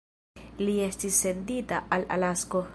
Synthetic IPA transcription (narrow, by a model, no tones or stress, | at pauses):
liest̪isːend̪it̪aʔala̰lasko